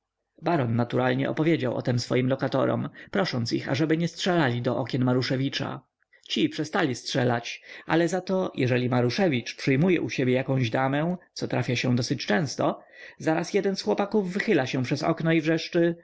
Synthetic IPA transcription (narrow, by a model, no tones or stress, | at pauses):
baɾɔnːat̪uɾalɲɛ̰ʔɔ̰pɔvʲjed͡ʑawʔɔ̰t̪ɛmsfɔ̰jimlɔkat̪ɔ̰ɾɔ̰mpɾɔʂɔnt̪sixa̰ʐɛbɘɲɛstʂɛlalʲid̪ɔʔɔkʲɛnmaɾuʂɛvʲit͡ʂa̰ | t͡ɕipʂɛst̪alʲistʂɛlat͡ɕʔa̰lɛzat̪ɔjʔɛʐɛlʲimaɾuʂɛvʲit͡ʂpʂɘjmujɛ̰ʔuɕebʲjɛjakɔ̃w̃ʑd̪amɛw̃t̪sɔt̪ɾafʲjaɕɛ̃d̪ɔsɘt͡ɕt͡ʂɛ̃w̃st̪ɔ | zaɾasjɛd̪ɛnsxwɔpakuvːɘxɘlaɕɛ̃pʂɛzɔ̰knɔivʐɛʂt͡ʂɘ